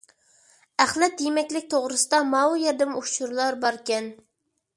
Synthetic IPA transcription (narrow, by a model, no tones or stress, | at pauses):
æχlɛt̪ːimɛkʲlɪk̚ʲt̪ʰoʁɾɨsɨd̪ɑmɑwujɛɾd̪ɪmut͡ʃuɾlˠɑɾbɑɾkʲɛn